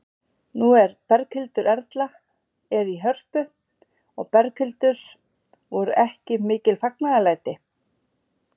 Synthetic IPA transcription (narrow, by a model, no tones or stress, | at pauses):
nuɛɾpɛɾkhʏlt̪ʏɾɛɾt̪la | ɛɾiɦœr̥pʏ | ɔ̰ɣpɛɾkʰʏlt̪ʏɾ̥ | vɔɾʏʔɛhcɪmɪːcɪlfaknaɣalaːjt̪ɪ